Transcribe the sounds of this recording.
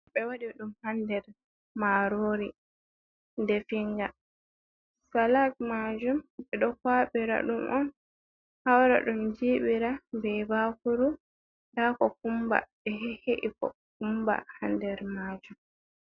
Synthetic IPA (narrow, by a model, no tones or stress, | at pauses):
ɓɛwadiɗumhandɛɾ | maɾoːɾi | ndɛfiŋɡa | salak̚mad͡ʒumɓɛɗɔkwaɓiɾa̰ɗumʔɔn | hawɾa̰ɗumd͡ʒiːɓiɾabɛbakuɾu | daːkɔkumba̰ɓɛɦheʔikɔ̰ | k̚umba̰handɛɾmad͡ʒum